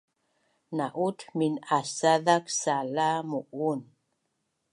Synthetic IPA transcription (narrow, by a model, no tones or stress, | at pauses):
naʔutminasaðaksalamuʔun